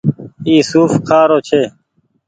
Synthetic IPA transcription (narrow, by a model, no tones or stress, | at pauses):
iːsuːfkʰaːɾoːt͡ʃʰeː